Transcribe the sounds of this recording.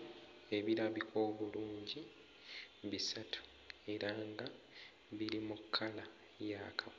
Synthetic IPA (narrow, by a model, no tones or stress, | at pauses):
e̞βiɾaβikʰo̞ːβuluːɲɟi | βisatʰu̥ | e̞ɾaŋɡa | βiɾimukʰːala | jaːkʰa